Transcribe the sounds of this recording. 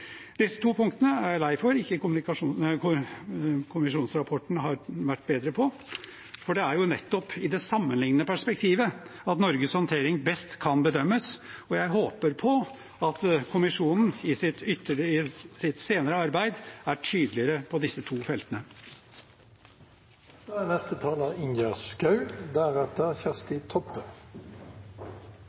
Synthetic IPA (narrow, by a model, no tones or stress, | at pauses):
d̪ɪsːət̪ʰuːpʰʊŋkt̪ənəælæɪfɔɾɪkːəkʊmnɪkɑʂu | kʰʊmmɪʂuːnsɾɑpʰɔʈɳ̩ɦɑɾʋæʈːbeːd̪ɾəpʰɔ | fɔɖɛæɾjʊnɛt̪ːɔpʰɪd̪ɛsɑmːənlɪŋnəəpʰæʂpɛk̚t̪ʰiːʋəɑt̪nɔɾɡəshɔnt̪ʰeːɾɪŋbɛst̪kʰɑnbəd̪œmːəsɔjæɪɦoːpəɾpʰɔ | ɑt̪kʰʊmɪʂuːnn̩ɪsɪt̪ʏt̪ːəɪsɪt̪seːnəɾəɑɾbæɪd̪æʈʰyːd̪lɪəɾəpʰɔd̪ɪsːət̪ʰuːfɛlt̪ənə | doːænɛst̪ət̪ʰɑːləɪnjæʁskɑʉd̪æʁɛt̪əʁçæʁst̪ɪt̪ʰɔpːə